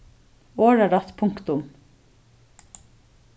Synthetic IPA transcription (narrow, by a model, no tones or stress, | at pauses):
oːɹæɖɑt̪pʰʊŋkt̪ʊm